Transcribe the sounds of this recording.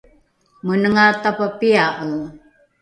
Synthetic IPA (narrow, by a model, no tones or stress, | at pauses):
munəŋat̪apapiaʔəl